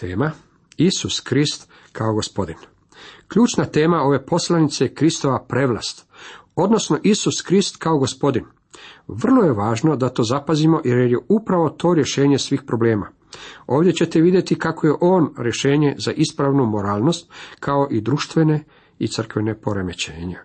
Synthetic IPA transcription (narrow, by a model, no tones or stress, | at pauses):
t̪ḛːma | isuskɾist̪ | kʰaoɡo̞spo̞d̪in | kʎuːt͡ʃnat̪e̞ːmao̞ʋe̞po̞slˠanit̪sekɾist̪o̞ʋapɾe̞ʋlˠast̪ | o̞d̪no̞sno̞ʔisuskɾist̪kao̞ɡo̞spo̞d̪in | ʋr̩lˠoje̞ʋaːʒno̞d̪at̪o̞ːzapazimo̞ʔjeɾjejeupɾaʋo̞t̪o̞ːɾje̞ʃe̞ːɲe̞sʋiːxpɾo̞ble̞ːma̰ | o̞ːʋdje̞t͡ɕe̞t̪e̞ʋid̪je̞t̪ikako̞je̞ʔo̞ːnɾje̞ʃe̞ːɲe̞zaʔispɾaʋnumo̞ɾaːlˠno̞st̪kʰao̞ʔid̪ɾuʃt̪ʋene̞ | it̪sr̩kʋe̞ne̞po̞ɾeme̞t͡ɕḛːɲe